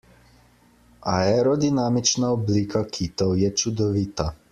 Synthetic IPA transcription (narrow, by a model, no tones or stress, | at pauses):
aɛɾɔd̪inamit͡ʃnaoblikʰakʰit̪owjɛt͡ʃud̪ɔʋit̪a